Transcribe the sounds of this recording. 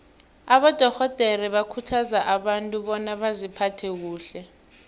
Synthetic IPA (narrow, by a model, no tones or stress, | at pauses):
aɓɔd̥ʱɔxɔd̥ʱeriɓakʰutʰazaʔaɓantʼuɓɔnaɓazipʰatʰɛk̬uːɬɛ